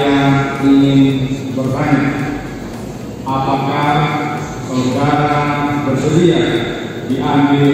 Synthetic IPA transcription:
aiŋɪnbərbaɲak | apakah | kəudaɾabərsəɾiah | diʔambɪl

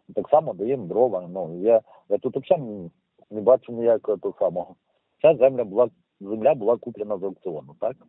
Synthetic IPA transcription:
t̪aksɑmɐd̪ɐjɛmd̪ɾɔʋɐnuija | jat̪ut̪ɐpt͡ʃam | nʲɪbɑt͡ʃɪmjɐkt̪ɔsɑmɔɦɔ | t͡ʃaszɛmlʲɐbʊlˠɑ | zemlʲabʊlˠɑkuplʲɛnɐzɐɐk̚tsɪɔnʊt̪ak

